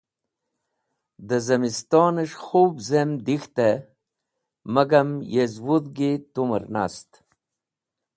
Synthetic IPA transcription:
d̪əzɐmist̪ɑːnəʂxubzemd̪ixt̪e | məɡamjezwud̪ɡit̪umə̰ɾna̰st̪

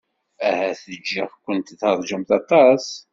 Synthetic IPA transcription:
æhæθəd͡ʒːiʁkʷːənt̪ðəɾˤd͡ʒəmθɑt̪ˤɑs

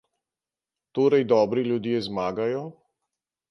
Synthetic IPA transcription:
t̪oːɾajd̪ɔːbɾilʲjud̪jeːzmaːɡajɔ

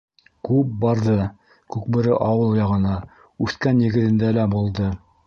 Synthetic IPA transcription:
kʉp̚bɑɾðɤ | kʉk̚bɘ̆ɾɘʔɑwɤlˠjɑʁɤ̆nɑ | ʉθkænjɘ̆ɡɘ̆t̪ɘ̆nd̪ælæbulˠd̪ɤ

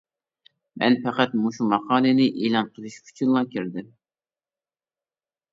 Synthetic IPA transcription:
mɛ̰npʰɛqæt̪muʃumɑqʰɑːlɨnɪʔiːlˠɑnqʰəlˠɪʃkʲʰy̥t͡ʃʰynlˠɑkʲiɾd̪ɪm

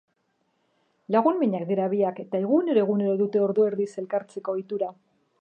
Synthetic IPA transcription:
laɣunmiɲakd̪iɾaβiake̞t̪ae̞ɣune̞ɾo̞eɣ̞une̞ɾo̞ðut̪e̞o̞ɾðoe̞ɾðise̞lkaɾt͡se̞ko̞jt̪uɾa

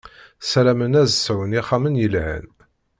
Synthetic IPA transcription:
sælæmənæzsæwəniχamənjəlhə̰n

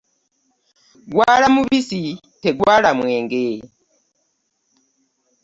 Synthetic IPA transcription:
ɡwaːlamuβisi | teɡwaːlamweːŋɡe

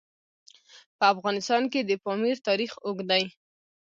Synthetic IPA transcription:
pəafɣɑnɪst̪ɑnked̪əpɑmiɾt̪ɑɾixʊɡd̪aj

